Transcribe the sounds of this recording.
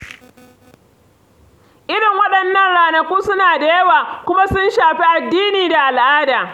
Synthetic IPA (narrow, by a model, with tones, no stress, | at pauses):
ʔɪ˦ɽɪ˨ŋwɐ˦ɗɐ˨nːɐ˦nɽaː˨nɐ˨kʷuː˦sʊ˦naː˨da˦˨jɐ˦waː˨kʷʊ˦ma˦sʊ˦nʃaː˨ɸi˦ʔa˨dːiː˦niː˨da˨ʔa˨lʔaː˦daː˨